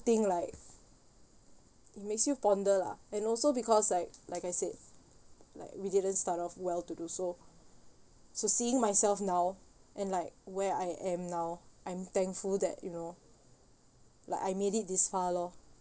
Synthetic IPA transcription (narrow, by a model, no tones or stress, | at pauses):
t̪ĩŋlaɪk̚ | it̚meksjupɔ̃ndəla̰ɛ̃nɔlsobikʰɔslaɪk̚laɪkajsed̚ | la̰ɪkwididə̃nstatɔfwɛltuduso | sosiɪ̃ŋmaɪsɛlfnawʔɛ̃nlaɪk̚wɛajʔɛ̃mnawʔãj̃mt̪ɛ̃ŋkfuldɛ̰t̚juno | laɪkajmeɾit̚disfalɔ